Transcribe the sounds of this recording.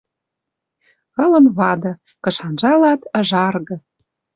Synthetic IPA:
ɣɤ̆lə̆nβɑd̪ɤ̆ | kɤ̆ʃɑnʒɑlɑt̪ə̆ʒɑrɣɤ̆

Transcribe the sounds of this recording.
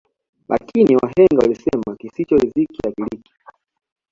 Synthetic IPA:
lʔa̰kʰiniwaɦɛŋɡawalisɛmakisit͡ʃɔizikiakiliki̥

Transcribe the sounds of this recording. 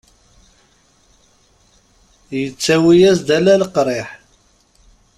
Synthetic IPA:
jət͡sːæwijæsd̪ælælqɾˤeħ

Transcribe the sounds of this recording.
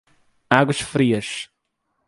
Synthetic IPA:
aɡʊʃfɾiːɐʃ

